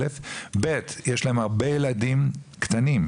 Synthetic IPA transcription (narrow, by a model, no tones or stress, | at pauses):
efbet̪jeʃlahemhaʁbe̞jeladimkt̪anim